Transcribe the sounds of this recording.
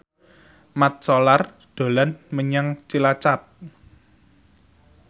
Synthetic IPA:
mat̪̚sɔlar | d̪̥o̤lanməɲaŋt͡ʃilat͡ʃap̚

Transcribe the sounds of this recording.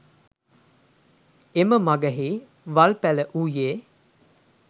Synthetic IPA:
eməmaɡəɦiː | ʋalpæləʔujeː

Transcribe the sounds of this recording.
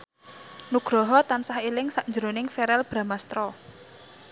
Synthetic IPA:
nuɡ̥ɾɔɦɔt̪ansahilɪŋsaʔɲd͡ʒəɾonɪŋfeɾɛlb̥ɾa̤mast̪ɾɔ

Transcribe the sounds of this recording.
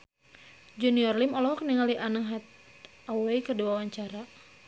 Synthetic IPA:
d͡ʒuniɔrlimɔlɔɦɔkniŋaliʔanaɦat̪̚ | awaikəduawaɲt͡ʃaɾa

